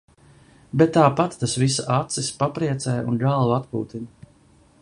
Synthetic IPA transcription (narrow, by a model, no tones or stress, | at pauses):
bɛt̪ːaːpat̪ːasvisaʔat̪sispapɾiɛt̪sɛjunɡalˠvat̪kuːt̪in